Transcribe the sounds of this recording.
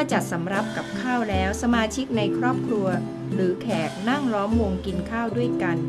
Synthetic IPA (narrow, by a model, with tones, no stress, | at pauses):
ɔ˥˩t͡ɕa˨˩t̪̚sa˩˦mɾa˦˥p̚ka˨˩p̚kʰaː˥˩wlɛː˦˥wsa˧maː˧t͡ɕʰi˦˥k̚na˧jkʰɾɔː˥˩p̚kʰɾu˧ɐ | ɾɯː˩˦kʰɛː˨˩k̚na˥˩ŋlɔː˦˥mwo˧ŋki˧nkʰaː˥˩wdu˥˩əjka˧n